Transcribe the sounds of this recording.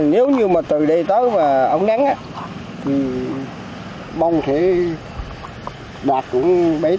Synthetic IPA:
ne˨˦wɲɨ˧maː˨˩t̪ɨ˨˩ɗə˧jt̪əː˨˦jvaː˨˩ʔə˧wŋ͡mna˨˦ŋʔaː˧ | t̪ʰi˨˩ | ɓa˧wŋ͡mt̪ʰe˧˦ | ɓaː˨˩t̚kʊ̰˧˥ŋ͡mɓi˨˧˦

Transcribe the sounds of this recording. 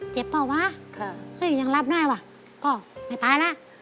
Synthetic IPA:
t͡ɕe˧˦pːɔ˧˩waː˧˥˨kʰa˧˩kʰɯ˧˥˩jɲaː˧˩ŋla˧˥˩p̚nɔː˧˩˨jwaː˧˩ | kɔː˧˩ma˧˩jt̪aː˨˧˦jla˧˥ʔ

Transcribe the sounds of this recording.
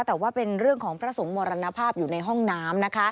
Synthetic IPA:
t̪ɛː˨˩waː˥˩pe˧nɾɯ˥˩əŋkʰɔː˩˦ŋpʰɾa˦˥so˩˦ŋmɔː˧ɾa˧na˧˥pʰaː˥˩p̚juː˨˩na˧jɦɔ˥˩ŋnaː˦˥mna˦˥kʰa˦˥

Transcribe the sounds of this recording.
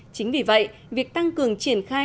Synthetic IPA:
t͡ɕï˨˦ŋ̟vi˨˩və̰˧˨jvi˨˩ək̚t̪a˧ŋkɨ˨˩əŋt͡ɕi˧˩ənxaː˧

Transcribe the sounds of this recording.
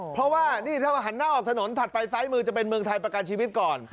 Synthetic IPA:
pʰɾɔ˦˥waː˥˩niː˥˩t̪ʰa˥˩wa˧˩ɦa˩˦nːaː˥˩ʔɔː˨˩k̚t̪ʰa˧no˩˦nt̪ʰa˨˩t̪̚pa˧jsaː˦˥jmɯː˧t͡ɕa˨˩p̬e˧nmɯ˧əŋt̪ʰa˧jpɾa˧ka˧nt͡ɕʰiː˧wi˦˥t̪̚kɔː˨˩n

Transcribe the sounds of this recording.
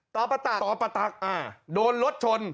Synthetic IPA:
t̪ɔː˨˩˦pa˧t̪a˨˩t̪ɔː˨˦pa˧t̪a˨˩k̚ʔaː˧˩doː˧nɾo˦˥t̪̚t͡ɕʰo˧n

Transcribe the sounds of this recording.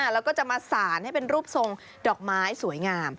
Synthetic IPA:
lɛː˦˥wkɔː˥˩t͡ɕa˨˩ʔmaː˧saː˩˦nha˥˩jpe˧nɾuː˥˩p̚so˧ŋ | dɔː˨˩k̚maː˦˥jsu˩˦əjŋaː˧m

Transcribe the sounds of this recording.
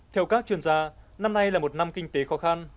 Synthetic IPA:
t̪ʰɛ˧wkaː˦˥k̚t͡ɕwi˧˩ənzaː˧na˧mna˧jlaː˨˩mo˨˩t̚na˧mkï˧ŋ̟t̪e˨˦xɔ˨˦xa˧n

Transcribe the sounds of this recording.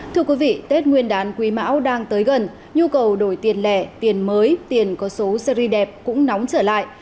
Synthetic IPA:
t̪ʰɨ˧əkwi˨˦vḭ˧˨t̪e˦˥t̚ŋwi˧ənɗaː˨˦nkwi˨˦ma̰ː˧˥wɗaː˧ŋt̪əː˨˦jɣə˨˩n | ɲu˧kə˨˩wɗo˧˩jt̪i˨˩ənlɛ˧˩t̪i˨˩ənməː˨˦jt̪i˨˩ənkɔ˨˦so˨˦sə˧ɾi˧ɗɛ˨˩p̚kʊ̰˧˥ŋ͡mnɔ˨˦wŋ͡mt͡ɕəː˧˩la̰ː˧˨jʔ

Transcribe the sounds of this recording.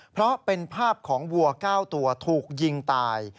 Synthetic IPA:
pʰɾɔ˦˥pe˧npʰaː˥˩p̚kʰɔː˩˦ŋwu˧ɐkaː˥˩wt̪u˧ɐt̪ʰuː˨˩k̚ji˧ŋt̪aː˧j

